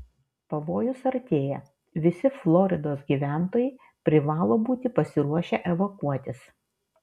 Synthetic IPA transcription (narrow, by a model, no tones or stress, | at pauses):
pɐʋoːjʊsɐɾt̪ʲeːjɛ | ʋʲɪsʲɪflˠɔːɾʲɪd̪oːsɡʲiːʋʲæˑnt̪oːjɛɪ | pʲɾʲɪʋɑːlˠoːbuːt̪ʲɪpɐsʲɪɾuɔʃʲɛʔɛʋokuɔt̪ʲɪs